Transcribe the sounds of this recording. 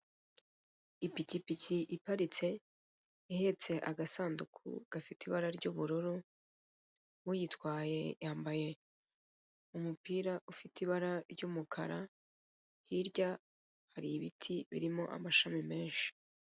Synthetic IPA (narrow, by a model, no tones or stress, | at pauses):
ipicipiciʔipaɾit͡se̞ | ihe̞t͡se̞ʔaɡasaːndukʰṵɡ̥afitiβaɾaɾɟuβuɾuɾu | mujitwaːje̞jaːmbaje̞ | umupiːɾaʔufitʰiβaɾaɾɟumukʰaɾa | hiɾɟa | haɾiβitʰiβḭɾimo̞ʔa̰maʃamime̞ːnʃi̥